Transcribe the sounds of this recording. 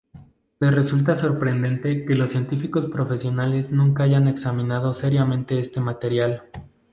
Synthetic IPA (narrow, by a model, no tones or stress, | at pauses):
le̞sre̞sult̪̬aso̞ɾpɾe̞nd̪e̞nt̪e̞ke̞losːje̞nt̪ifiko̞spɾo̞fe̞sjo̞nale̞znũŋkaaʝane̞ksamĩnað̞o̞se̞ɾjamẽnt̪e̞est̪e̞mat̪e̞ɾjal